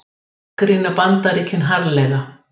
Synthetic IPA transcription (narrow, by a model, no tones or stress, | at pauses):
kɾinːapant̪aɾikʰːɪnɦaɾlɛɣa